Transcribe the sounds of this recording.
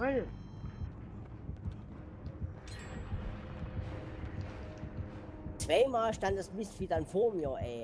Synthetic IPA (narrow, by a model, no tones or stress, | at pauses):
ɔl | t͡sv̥aɪmaːlʃtantd̥asmɪsfidɐnfoːɐmjəɐʔɛ